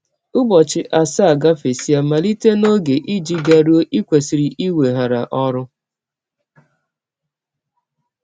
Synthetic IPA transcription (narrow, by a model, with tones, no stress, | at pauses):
ʊ˦bɔ˨t͡ʃɪ˨ʔa˨sa˦a˨ɡa˦fe˨si˦a˦ma˨li˦te˦no˦ɡe˨ʔi˦d͡ʒi˦ɡa˨ɾu˦o˦ʔi˦kʷe˨si˨ɾi˨ʔi˦we˨ɦa˨ɾa˨ʔɔ˦ɾʊ˦